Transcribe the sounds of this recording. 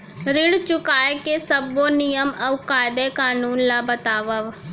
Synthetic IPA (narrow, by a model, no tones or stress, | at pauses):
ɾɪɽt͡ʃʊkaːekesəbːonɪjəmɐʋkaːd̪ekaːnuːnlabət̪aːʋəʋ